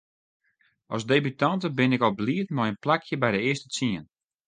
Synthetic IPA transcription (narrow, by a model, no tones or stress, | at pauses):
ɔsdejbytantəbɪnɪkɔbliətnɔjənplakʰjəbɛjdəɪəstə̥t͡siən